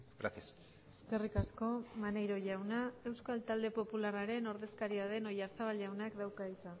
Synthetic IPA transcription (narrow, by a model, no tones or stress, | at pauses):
ɡɾa̰θes | eske̞rikasko̞manejɾo̞ʝawnae̞wskalt̪ald̪e̞po̞pularaɾe̞no̞ɾðe̞skaɾiaðe̞no̞jaɾt͡saβalawnakd̪awkait͡sa